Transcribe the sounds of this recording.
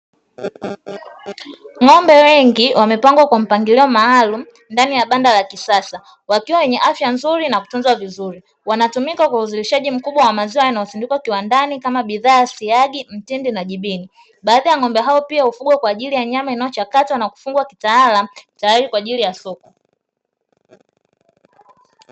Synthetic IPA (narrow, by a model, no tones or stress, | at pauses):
ŋɔmbɛwɛŋɡiwʔamɛpaŋɡwakwam̩paŋɡiliɔmaːlum̩ | ndanijaɓandalakisasa | wakiwawɛɲɛʔafjanzuɾinaku̥tunzwavizuɾi | wanatumikakwauzuliʃaʄim̩kuɓwawamaziwajanajɔθindikwakiwandanikamaɓiðaːsiaɠim̩tindinaʄiɓini | ɓaːðajaŋɔmbɛɦaɔpiaufuɡwɛkwaːʄilijaɲamainajɔt͡ʃakatwanaku̥fuŋɡwakitaalatajaɾikwaːʄilijasɔkɔ